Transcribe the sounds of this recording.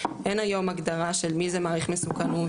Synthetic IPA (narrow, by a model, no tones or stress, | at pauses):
ʔenajo̞maɡd̪aʁaʃelmizemaːʁiχmesukanu